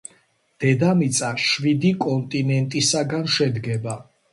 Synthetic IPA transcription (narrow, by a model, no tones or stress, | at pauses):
d̪̥ɛd̪amit̪sʼaʃvid̪ikʼɔnt̪ʼinɛnt̪ʼisaɡanʃɛd̪ɡɛba